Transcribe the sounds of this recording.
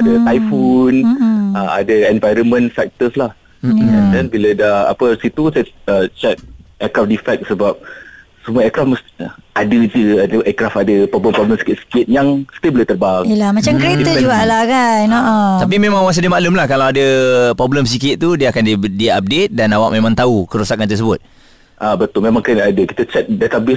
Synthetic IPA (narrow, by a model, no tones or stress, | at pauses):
adəajfunəa̰dəɛnvajɾəmə̃nsɛk̚t̪əslah | ɛndɛnbilədaha̰pəsit̪usaət͡ʃɛk̚ɛkɾafdifɛk̚səbap̚ | səmuaɛkɾafməsadəd͡ʒəaduʔɛkɾafadəpɾɔbləmpɾɔblə̃msi̥kɪt̪̚si̥kɪt̪̚jaŋst̪eboleht̪ərbaŋiəlamat͡ʃamkəɾet̪əuɡalaɡanoʔɔap̬imẽmãŋwas̬adəmalumlahkalawadəpɾɔbləms̬ikɪt̪̚t̪udiəakandidiap̚det̪̚danawaʔ̚mẽmãŋt̪aukəɾusakant̪ərs̬əbʊt̪̚ | ʔabət̪ʊlmemãŋkɾinadəkit̪ət͡ʃɛt̪̚dat̪abɪ